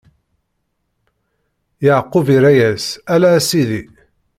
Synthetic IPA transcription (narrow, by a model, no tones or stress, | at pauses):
jəʕqːʊviɾæjæsælæsiði